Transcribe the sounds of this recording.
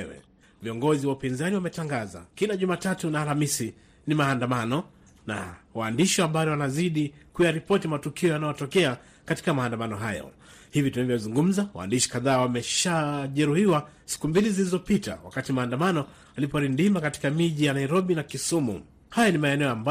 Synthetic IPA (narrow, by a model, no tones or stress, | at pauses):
wɛ̰ | viɔŋɡɔziwaupinzaniwamɛtaŋɡaza̰kinaʄumatatunaːlamisi | nimaːndamanɔ | na̰waːndiʃɔambajɔwanaziɗikujaɾipɔtimatukiɔjanajɔtɔkɛa | kati̥kamaːndamanɔɦajɔ̰ | hivitunavjɔwzuŋɡum̩zawa̰ːndiʃi̥kaðaːwamɛʃaʄɛɾuhiwasi̥kumbilizilizɔpita̰wa̰katimaːndamanɔ | alipanindimakati̥kamiʄijanaiɾɔɓinakisumṵ | hajanimaɛnɛɔamba